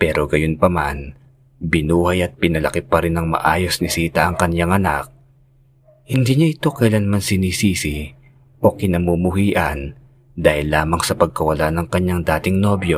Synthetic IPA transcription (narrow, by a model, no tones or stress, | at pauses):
pɛːɾo̞ɡɐjonpɐma̰n | bɪnuːhajɐt̪̚pɪnɐlɐkɪpɐɾɪnɐŋmɐ̰ʔaːjo̞snɪsiːt̪ɐɐŋkɐɲjaŋɐna̰k̚ | hɪnd̪iɲaʔɪt̪o̞kɐjlanmansɪnisiːsɪ | ʔo̞kɪnɐmumʊhiːʔɐn | d̪aːhɪlːaːmɐŋsɐpɐɡ̚kɐwɐlanɐŋkɐɲːaŋd̪aːt̪ɪŋno̞bjo̞